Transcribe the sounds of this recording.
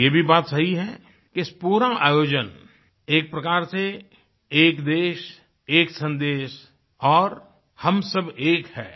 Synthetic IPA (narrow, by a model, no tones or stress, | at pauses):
jeːbʱibaːt̪sɐɦiɦɛ | keɪspuːɾaʔaːjoːd͡ʒən | eːk̚pɾɐkaːɾse | eːkd̪eːʃ | eːksə̃nd̪eːʃ | ɔːɾ | hɐmsɐbeːkhɛ̰ː